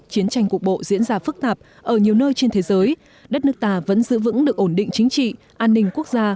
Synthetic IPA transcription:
t͡ɕi˨˦ənt͡ɕa˧jŋ̟kək̚ɓo̰˧˨zḭ˧˥ənzaː˧fɨ˦˥k̚t̪aː˨˩p̚ | ʔəː˧˩ɲi˨˩əwnəː˧jt͡ɕe˧nt̪ʰe˨˦zəː˨˦j | ɗə˦˥t̚nɨ˦˥k̚t̪aː˧˩və̰˧˥nzɨ̰˧˨vɨ̰˧˥ŋɗɨ˨˩ək̚ʔo˧˩nɗḭ̈˧˨ŋ̟t͡ɕï˨˦ŋ̟t͡ɕḭ˧˨ | ʔaː˧nːï˧ŋ̟ku˦˥ək̚zaː˧

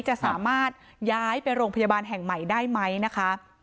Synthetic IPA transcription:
t͡ɕa˨˩ʔsaː˩˦maː˥˩t̪̚ | jaː˦˥jpe˧nɾoː˧ŋpʰa˧jaː˧baː˧nɦɛ˨˩ŋma˨˩jdaː˥˩jma˦˥jna˦˥kʰa˦˥

